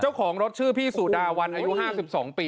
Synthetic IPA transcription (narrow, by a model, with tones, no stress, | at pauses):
t͡ɕa˥˩wkʰɔː˩˦ŋɾo˦˥t̪̚t͡ɕʰɯː˥˩pʰiː˥˩suː˨˩daː˧wa˧nʔaː˧ju˦˥ɦaː˥˩si˨˩p̚sɔː˩˦ŋpiː˧